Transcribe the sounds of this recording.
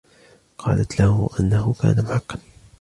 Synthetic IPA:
qʰɑːlat̪lahʊʔanːahʊka̰ːnamʊħaqːɑn

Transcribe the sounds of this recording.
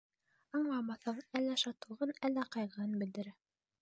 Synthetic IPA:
ɑɴlˠɑmɑθɤɴælːæʃɑt̪ɤ̆ʁɤnælːæqɑjʁɤɤnbɘ̆ld̪ɘ̆ɾæ

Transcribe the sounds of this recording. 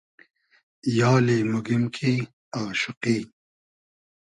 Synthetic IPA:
jɑːlimʊɡimkʰi | aːʃʊqiː

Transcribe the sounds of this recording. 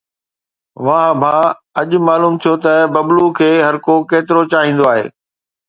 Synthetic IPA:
ʋãɦbʱã | ɐʄmaːluːmt̪ʰijot̪ɐbɐblukʰeːɦɐɾkokeːt̪ɪɾot͡ɕaːɦĩːn̆d̪oaːɦḛː

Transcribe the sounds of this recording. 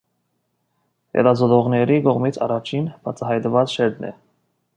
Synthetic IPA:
hɛ̰t̪ɑzɔt̪ɔʁnɛɾikɔʁmit͡sʰɑ̰rɑt͡ʃʰinb̥ɑt͡sʰɑɦɑjt̪vɑt͡sʃɛɾd̪nɛ̰

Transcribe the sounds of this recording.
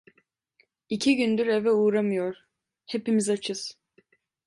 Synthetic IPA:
icʰiɟynd̪yɾevɛuːɾamɯjo̞ɾ̥ | hepimizat͡ʃʰɯz̥

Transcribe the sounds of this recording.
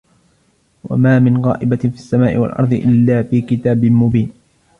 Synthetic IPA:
wa̰maːmɪnɣɑ̰ːʔɪbafiasːamaːʔɪ̰wa̰lʔɑ̰ɾˤd̪ˤɨʔɪlːaːfiːkɪt̪aːbɪmʊbiːn

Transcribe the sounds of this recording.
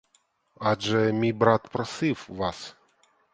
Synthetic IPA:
ɑʒɛmʲijbɾɑt̪pɾɔsɪwʋɑs

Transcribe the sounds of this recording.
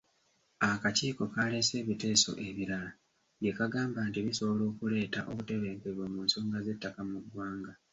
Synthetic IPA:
akaciːko̞kale̞se̞ːβite̞ːso̞̰ʔe̞βiɾala | je̞kaɡaːmbaːntiβiso̞βlo̞ːkule̞ːtaʔo̞̰βute̞βe̞ːmkeβomuːnso̞ːŋɡaze̞tːakamuɡwaːŋɡa

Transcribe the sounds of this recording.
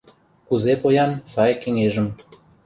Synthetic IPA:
kuzepojɑnsɑjkeŋeʒə̆m

